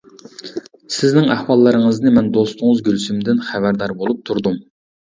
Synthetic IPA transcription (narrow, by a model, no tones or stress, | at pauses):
sɪznɪŋæhwɑlˠːɨɾɨŋəznɨmɛnd̪ost̪ʊŋɨzɡʲylsymd̪ɪnχæbæɾd̪ɑɾbolˠup̚t̪ʰuɾd̪um